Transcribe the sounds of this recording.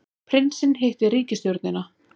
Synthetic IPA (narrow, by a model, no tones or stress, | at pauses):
pʰɾɪnsɪnɦejht̪ɪɾiːcɪst̪jœɾt̪nɪna